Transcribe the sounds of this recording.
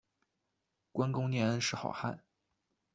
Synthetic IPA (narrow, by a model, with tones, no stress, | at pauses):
kwa˥nkʊ˥ŋnjɛ˧ə˧˥nʂɻ̩˥˩xɑ̰˨˩ʊxa̰˥˩n